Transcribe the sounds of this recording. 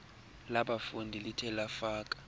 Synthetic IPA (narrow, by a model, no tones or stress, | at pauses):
laɓafundʱilitʰɛlafaːk̬ʼḁ